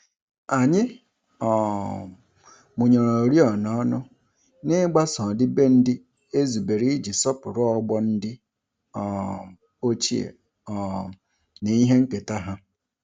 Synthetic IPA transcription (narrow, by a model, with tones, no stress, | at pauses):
a˨ɲɪ˦ | ɔ˨ | mʊ˨ɲo˨ɾo˨ɾi˦ɔ˨nɔ˦nʊ˦ | nɪ˦ɡ͡ba˦sɔ̃˨dɪ˦be˦n̩˦dɪ˦ | e˦zu˨be˨ɾi˦d͡ʒi˨sɔ˦pʊ˨ɾʊ˦ɔ˦ɡ͡bɔ˦n̩˦dɪ˦ | ɔ˨ | o˦t͡ʃi˦ḛ˨ | ɔ˨ | ni˨i˦ɦe˦ŋ̩˦ke˨ta˦ɦa˦